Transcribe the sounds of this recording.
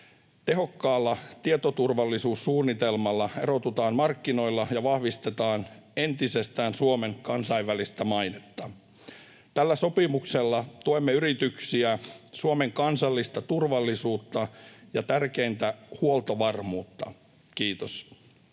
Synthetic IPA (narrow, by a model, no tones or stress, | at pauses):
t̪e̞ɦokːɑːlːɑt̪iet̪ot̪urʋɑlːisuːssuːnːit̪elmɑlːɑerot̪ut̪ɑːnmɑrkːino̞ilːɑjɑʋɑhʋist̪et̪ɑːn | e̞nt̪isest̪æːnsuome̞ŋkɑnsɑiʋʋælist̪æmɑinet̪ːɑ | t̪ælːæso̞pimukselːɑt̪oemːeyɾit̪yksiæsuome̞ŋkɑnsɑlːist̪ɑt̪urʋɑlːisuːt̪ːɑjɑt̪ærkeint̪æhuolt̪oʋɑrmuːt̪ːɑ̰ | kiːt̪os